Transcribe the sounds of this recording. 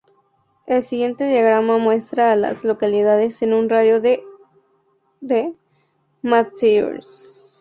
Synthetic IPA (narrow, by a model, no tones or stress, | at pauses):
e̞lsiɣje̞nt̪e̞ðjaɣ̞ɾamamwe̞st̪ɾaːla̰zlo̞kaliðaðe̞senunraðjo̞ðe | ðe | matsio̰ɾs